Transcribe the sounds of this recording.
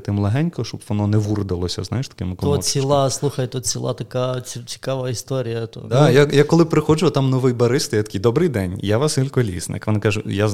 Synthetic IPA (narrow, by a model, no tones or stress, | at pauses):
t̪ɪmlˠɐɦɛnʲkɔʃt͡ʃɔbʋɔnɔnɛʋurd̪ɪlˠɔsʲɐ̰znajɪʃt̪ɐ̥kɪmɪkɔɔsʲilˠaslˠuxɐjt̪ɔt͡sʲilˠa̰t̪ɐkait͡sʲi̥kaʋɐist̪ɔɾʲijɐt̪ɔ̰d̪ajajakɔlˠɪpɾɪxɔd͡ʒʊt̪amnɔʋɪjbɐɾɪst̪ɐjat̪ɐ̥kijd̪ɔbɾɪjd̪ɛnʲjaʋasilʲkɔlʲḭsnɪ̰kʋɔnɪkaʒʊja